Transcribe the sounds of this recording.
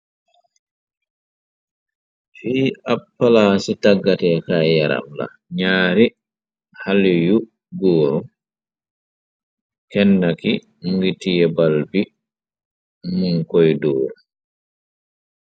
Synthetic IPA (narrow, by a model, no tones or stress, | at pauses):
fiːapːalasitaɡːatɛkajaɾa̰mla̰ | ɲaːɾi | haliju | ɡɔːɾɔ | kɛnːaki | mɡitijɛbalbi | muŋkɔjdɔːɾu